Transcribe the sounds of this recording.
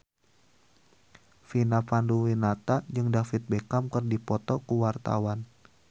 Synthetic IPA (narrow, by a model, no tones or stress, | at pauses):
finapanduwinat̪ad͡ʒɨŋdafit̪̚bekamkɨrdipɔt̪ɔkuwart̪a̰wan